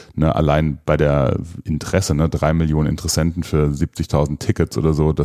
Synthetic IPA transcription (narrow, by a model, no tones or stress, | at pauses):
nəʔa̰laɪnb̥aɪdeːɐʔɪntəʁ̥ɛsənədʁaɪmɪljoːnənʔɪ̰ntəʁɛsɛntn̩fyːɐziːp̚t͡sɪçtʰaʊzn̩tʰːɪkət͡sʔo̰ːdɐzoːd̥a